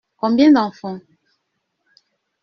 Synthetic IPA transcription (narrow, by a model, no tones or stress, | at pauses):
kɔmbjɛ̃ndãfɔŋ